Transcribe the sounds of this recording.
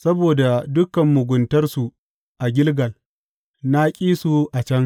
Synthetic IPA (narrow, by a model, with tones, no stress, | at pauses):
sɐ˦boː˨da˨dʊ˦kɐ˨mːʊ˨ɡʷʊ˨ntɐ˦rsu˨ | ʔa˨ɡʲɪ˦lɡɐ˨l | na˦kʲʼiː˦su˨ʔa˨t͡ʃɐ˦ŋ